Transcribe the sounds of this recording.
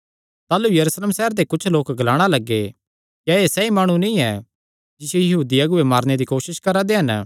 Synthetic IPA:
t̪aːlujɐɾuːsleːmsɛɦəɾt̪ekʊt͡ʃʰloːkɡɐlaːɽ̃alɐɡːe | jaesɛimaːɽ̃ũnĩɛ | d͡ʒɪsijejɐɦuːd̪iɐɡʊemaːɾned̪ikoːʃɪʃkɐɾad̪eɦɐn

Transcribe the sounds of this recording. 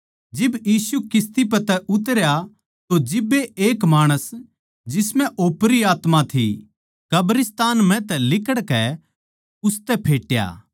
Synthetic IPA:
d͡ʒɪbjiːsukɪst̪ip̬ɛt̪ɛʊt̪̬əɾja | t̪od͡ʒɪbːeeːkmaːɽ̃əs | d͡ʒɪsmɛ̃ʔoːpɾiaːt̪mat̪ʰḭ | kɐbɾɪst̪aːnmɛ̃t̪ɛlɪkəɽkɛ | ʊst̪ɛpʰeːʈja̰ː

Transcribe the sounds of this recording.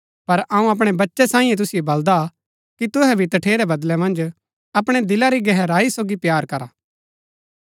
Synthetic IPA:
pɐɾɐũɐp̬ɽ̃ɛbɐtːʃɛsãːĩjɛ̃t̪̬ʊsɪjobɐld̪a | kit̪ʊɦɛbʱit̪ɐʈʰeːɾɛbɐd̪lɛmɐ̃nd͡ʒ | ɐpɽ̃ɛd̪ɪlaɾiɡɛɦɛɾaːisoːɡipjaːɾkɐɾaː

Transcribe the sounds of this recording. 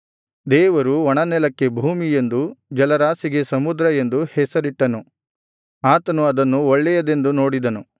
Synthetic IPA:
d̪ɛːʋɐɾuɔɳɐnɛlɐkːe̞bʱuːmije̞nd̪ud͡ʒɐlɐɾaːsiɡe̞sɐmud̪ɾɐe̞nd̪uhɛsɐɾiʈːɐnu | aːt̪ɐnuɐd̪ɐnːuɔɭːɛjɐd̪e̞nd̪uno̞ːɽid̪ɐnu

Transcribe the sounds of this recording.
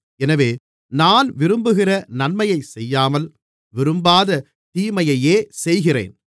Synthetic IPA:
ɛnɐʋeː | naːnʋɪɾɯmbɯɣɪrɐnɐnmɐjɐɪsɛjːaːmɐl | ʋɪɾɯmbaːðɐ | t̪iːmɐjɐjeːsɛjɣɪrḛːn

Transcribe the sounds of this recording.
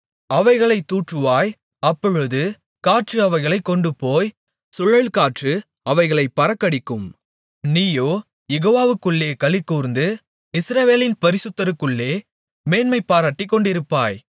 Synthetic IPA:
ɐʋɐɪɣɐɭɐɪt̪ːuːʈrɯʋaːj | ɐpːɔɻɯðɯ | kaːʈrɯɐʋɐɪɣɐɭɐɪkːɔɳɖɯpoːj | sʊɻɐɭkaːʈrɯ | ɐʋɐɪɣɐɭɐɪpːɐɾɐkːɐɽɪkːɯm | niːjoː | jɛɣoːʋaːʋɯkːɯɭːeːkɐɭɪkːuːɾnd̪ɯ | ɪsɾɐʋeːlɪnpɐɾɪsɯt̪ːɐɾɯkːɯɭːeː | meːnmɐɪpːaːɾaːʈːɪkːɔɳɖɪɾɯpːaːj

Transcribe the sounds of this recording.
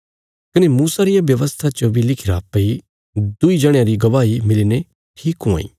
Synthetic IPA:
kɪnemuːsaɾɪjaʋjɐʋəst̪ʰat͡ʃobʱilɪkʰiɾapɐi | d̪ʊid͡ʒɐɽ̃jãɾiɡɐʋaːimɪliːne | ʈʰiːkɦõa̰ːḭː

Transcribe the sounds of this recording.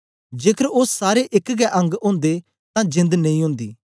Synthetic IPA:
d͡ʒeːkʰəɾʊssaːɾeʔɪkɡɛʔɐ̃ŋɡõːnd̪e | t̪ãːd͡ʒɪ̃nd̪nɐĩːɦʊ̃ːnd̪ḭː

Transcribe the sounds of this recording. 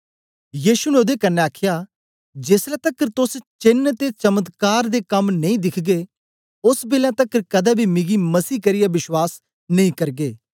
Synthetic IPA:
jiːʃuneoːd̪ekɐnːeaːkʰɪjaː | d͡ʒeːsɾat̪ɐkːəɾt̪ʊst͡ʃɪnt̪et͡ʃɐmət̪kaːɾd̪ekɐmnɐĩːd̪ɪkʰɡe | ʊsbeːlãt̪ɐkːəɾkɐd̪ɛːbʱimɪɡimɐsiːkɐɾɪjaʋɪʃwaːs | nɐ̃ĩːkɐɾɡeː

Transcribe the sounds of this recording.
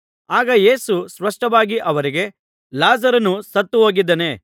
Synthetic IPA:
aːɡɐje̞ːsusʋɐʂʈɐʋaːɡiʔɐʋɐɾiɡe̞ | laːzɐɾɐnusɐt̪ːuɦo̞ːɡid̪ːɐne̞

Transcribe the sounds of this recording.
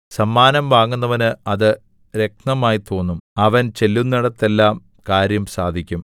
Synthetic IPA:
sɐmːaːnɐmʋaːŋːunːɐʋɐnɨɐðɨ | ɾe̞k̚nɐmaːjit̪o̞ːnːumɐʋɐnt͡ɕe̞lːunːiɽɐt̪ːe̞lːaːm | kaːɾjɐmsaːd̪ʱikʲːum

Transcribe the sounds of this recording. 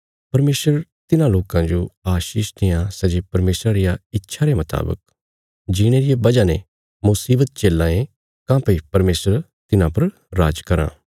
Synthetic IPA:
pɐɾmeːsəɾt̪ɪnãloːkãd͡ʒoaːʃiːʃt̪ʰɪjãsɐd͡ʒepɐɾmeːsɾãɾɪjaɪtːʃʰaɾemɐt̪a̰ːbə̰k̚ | d͡ʒɪɽ̃eɾɪjebɐd͡ʒane | mʊsiːbət̪̚t͡ʃeːlãːẽ | kãːpeipɐɾmeːsɾ | t̪ɪnãpɐɾ | ɾaːd͡ʒkɐɾã̰ː

